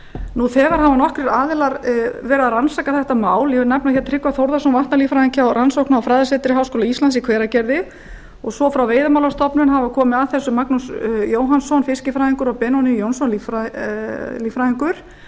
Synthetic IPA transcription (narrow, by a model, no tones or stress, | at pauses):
nuθɛɣaɾ̥havanɔhkɾɪɾaːðɪlaɾvɛːɾɪaðransaːkaθɛht̪amaːwljɛvɪɾnapnaçjɛt̪ʰɾɪkvaθowɾðasɔnvaht̪naliːfɾahiŋcɪawrʔansowhknaawfɾaːjðasɛːt̪ɪɾɪɦaːwskoːlaist̪lansikʰvɛːɾacɛɾðɪ | ɔɣsɔfɾawveːjðamawlast̪ɔpnʏnɦavakʰɔːmɪaðθɛsːʏmaknusjoːwɦansɔnfɪscɪfɾaːhiŋkʏɾɔɣpɛnɔnɪjownsɔnlifa | liːfɾahiŋkʏɾ̥